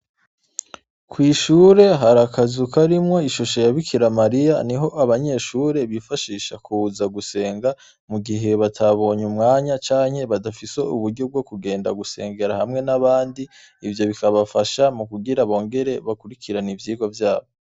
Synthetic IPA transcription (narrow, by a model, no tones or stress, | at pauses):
kwiːʃuːɾe̞ɦaɾakazukaɾimŋo̞iʃuʃo̞jaβikʰiɾamaɾijaniɦo̞ʔaβaɲe̞ʃuːɾe̞βifaʃiːʃakʰuzaɡuse̞ːŋɡa | muɡiɦe̞βatʰaβo̞ːɲumŋaːɲat͡ʃaːɲhe̞βadafise̞ṵβuɾɟo̞b̚ɡo̞kuɡe̞ːnda̰ɡuse̞̰ːŋɡe̞ɾahamŋe̞naβaːndi | ivjo̞βikaβafaʃamukuɡiɾaβo̞ːŋɡe̞ɾe̞βakuɾikiɾanivjiːɡwavjaːβo̞